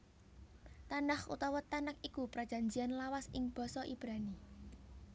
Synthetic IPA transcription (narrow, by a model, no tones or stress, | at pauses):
t̪anahṵt̪ɔwɔt̪anakikupɾad̥ʒ̥a̤ɲd͡ʒianlawasɪŋb̥ɔ̤sɔʔib̥ɾani